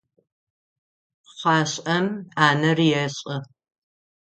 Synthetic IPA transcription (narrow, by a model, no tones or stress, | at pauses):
χɑːɕʼɐmaːnɐrjɛɕʼɐ